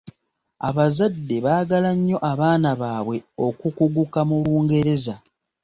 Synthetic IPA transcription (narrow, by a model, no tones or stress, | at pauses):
a̰βazadːe̞βaːɡalaɲːo̞ʔaβaːnaβaːβweo̞kukuɡukamuluːŋɡe̞ɾe̞za